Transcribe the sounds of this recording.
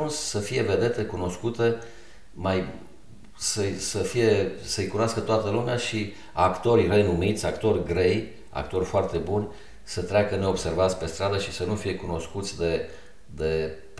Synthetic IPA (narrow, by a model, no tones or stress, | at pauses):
unssəfije̞ve̞d̪e̞t̪e̞kuno̞skut̪e̞ | maj | səjsəfije̞səəjkunoaskət̪oat̪əlumeaʃi | akt̪o̞rʲre̞numit̪sʲakt̪o̞rʲɡɾe̞j | a̰kt̪o̞rʲfoart̪e̞bunʲ | sət̪ɾeakəne̞o̞bse̞rvat̪sʲpe̞st̪ɾad̪əʃisənufije̞kuno̞skut̪sʲd̪e̞ | d̪e̞